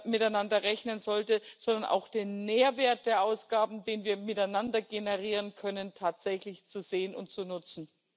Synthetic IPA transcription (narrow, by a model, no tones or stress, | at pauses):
mɪtaɪnandɐʁɛçnənzɔltəz̥ɔndɐnʔa̰ʊxd̥eːnmeːɐveːɐt̚d̥eːɐʔaʊsɡ̥aːbm̩deːnviːɐmɪtaɪnandɐɡenəʁiːʁənkʰœnəntʰaːtz̥ɛçlɪçt͡suzeːənʊ̰ntt͡sunʊt͡sn̩